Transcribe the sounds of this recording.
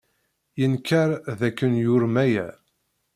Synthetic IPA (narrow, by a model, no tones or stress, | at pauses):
jənkːaɾðækːənjʊɾmæjæ̰